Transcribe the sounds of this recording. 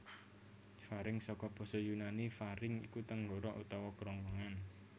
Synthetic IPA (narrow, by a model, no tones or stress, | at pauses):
faɾɪŋsɔkɔb̥ɔ̤sɔjunanifaɾɪŋḭkut̪əŋɡɔɾɔʔṵt̪ɔwɔkɾɔŋwəŋan